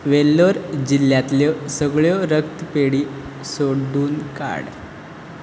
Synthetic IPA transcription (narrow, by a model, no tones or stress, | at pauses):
ʋelːoɾd͡ʑilːjat̪ljɔsəɡɭjɔɾəkt̪peɽiːsoɖuːnka̰ɽ